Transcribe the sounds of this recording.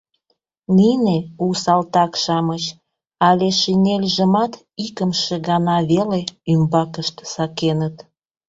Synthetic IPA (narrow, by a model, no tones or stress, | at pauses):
ninepuwsɑlt̪ɑkʃɑmət͡ɕ | ɑlʲeʃinʲelʲʒəmɑt̪ | ikəmʃeɣɑnɑβeleymbɑkəʃt̪sɑkenət̪